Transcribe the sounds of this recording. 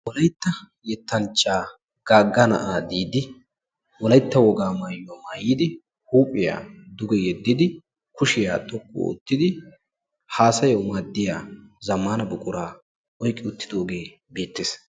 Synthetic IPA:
wɔlɐjt̪ːɐ | jɛt̪ːɐnt͡ʃʼːaː | ɡ̥aːɡːɐnɐ̰ʔaːd̪iːd̪ɪ | wɔlɐjt̪ːɐwɔɡaːmaːjʊwamaːjiːd̪ɪ | huːpʼːɪja̰ːd̪ʊɡɛjɛd̪ːɪd̪ɪ | kʊʃɪjaːt̪ʼɔkʰʼːo̰ʊ̰t̪ːɪd̪ɪ | haːsɐjowmaːd̪ːɪjaːzɐmːaːnɐbʊkʼʊɾaː | ʔɔjkʼːɪʊt̪ːɪd̪o̞ːɡe̞ː | beːt̪ːeːs

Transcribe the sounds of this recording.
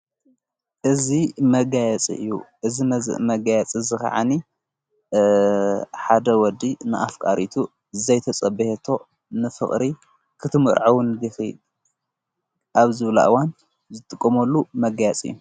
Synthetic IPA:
ʔɨzimɐɡajɛt͡sʼḭʔɨ̰jːṵʔɨzimɐzɨ̰ʔmɐɡajɛt͡sʼizɨkɐ̰ʕani | ħad̪ɐwɔd̪inɨʔafkʼaɾʔit̪ʰu | zɐjt̪ʰɐt͡sʼɐbɨhet̪ʰo̞ | nɨfɨχʼɾi | kʰɨt̪ʰɨmɨ̰ɾʕawʊnd̪ixi | ʔaβzɨβla̰ʔɨwan | zɨt̪ʼɨkʼːɐmɐlːumɐɡajɛt͡sʼɨ̰jːu

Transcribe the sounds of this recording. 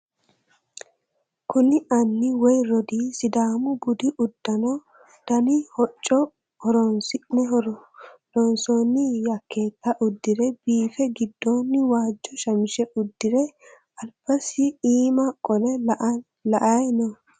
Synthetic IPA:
kʊnɪʔɐnːɪwɔjɾɔd̪iːsɪd̪aːmʊbʊd̪ɪʔʊd̪̥ːɐnɔ | d̪̥ɐnɪhɔt͡ʃʼːɔ | hɔɾɔnsɪnɛ | ɔnsoːnːɪjɐkʰːe̞ːt̪ːɐʔʊd̪ːɪɾɛbiːfɛɡɪd̪ːoːnːɪwaːd͡ʒːɔʃɐmɪʃɛʔʊd̪ːɪɾɛ | ɐlb̥ɐsɪiːmɐkʼɔlɛ | lɐʔajnɔ

